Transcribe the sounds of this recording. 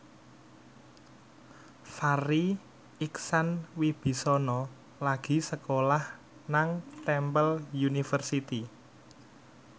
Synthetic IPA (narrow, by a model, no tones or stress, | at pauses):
faɾi | iksanwib̥i̤sɔnɔ | laɡ̥i̤səkolah | naŋt̪ɛmpəljunifərsit̪i